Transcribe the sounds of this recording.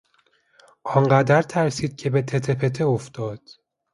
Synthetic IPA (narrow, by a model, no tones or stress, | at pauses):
ʔɒŋɢæd̪æɾt̪ʰæɾsiːd̪̥̚cʰebet̪ʰet̪ʰepʰe̞t̪ʰeoft̪ɒːd̪̥